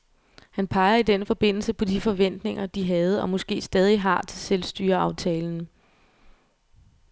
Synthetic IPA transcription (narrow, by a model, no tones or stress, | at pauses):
hænpʰɑ̈ɪɐid̥enfɒ̽b̥e̝n̰l̩səpʰɒ̽d̥ifɒ̽ʋen̰d̥ne̝ŋɐd̥iɦɛːð̞̩ˠɒ̽mɒ̽sɡ̥e̝̰ːsd̥ɛːð̞ˠiɦɑ̈t͡sʰe̝lselsd̥yːɐɑ̈ʊt͡sʰɛːln̩